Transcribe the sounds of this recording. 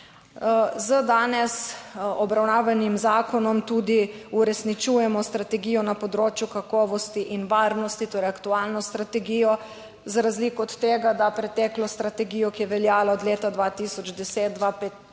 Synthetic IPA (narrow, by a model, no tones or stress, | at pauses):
zəd̪aːnɛsɔbɾawnaːʋanimzaːkɔnɔmt̪ud̪i | uɾɛsnit͡ʃuːjɛmɔst̪ɾat̪ɛɡijɔnapɔd̪ɾoːt͡ʃjukakɔːʋɔst̪iʔinʋaːɾnɔst̪it̪oːɾjɛakt̪uaːlnɔst̪ɾat̪ɛɡijɔ | zɾazlikɔɔt̪ːeːɡad̪apɾɛt̪ɛklɔst̪ɾat̪ɛɡiːjɔkijɛʋɛljaːlaɔd̪leːt̪ad̪ʋaːt̪isɔd͡ʒd̪ɛseːt̪̚d̪ʋapet̪